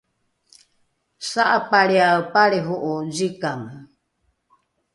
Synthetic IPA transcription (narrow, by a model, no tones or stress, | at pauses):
saʔapaɾeaopaɾeɦoʔod͡ʒikamɨ